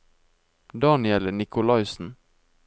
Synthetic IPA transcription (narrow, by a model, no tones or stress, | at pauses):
d̪ɑːnɪɛləɳɪkʰʊlɑɪsn̩